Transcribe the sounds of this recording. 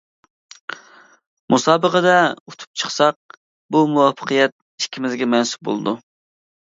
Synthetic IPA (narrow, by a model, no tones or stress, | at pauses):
mʔusɑːbəqəd̪ɛut̪ʰu̥p̚t͡ʃʰə̥χsɑq̚ | bumuwɑfʰə̥qʰəjɛt̪̚ | i̥ʃkʲʰːimɪzɡʲɛmɛnsu̥p̚bo̰lˠɨd̪u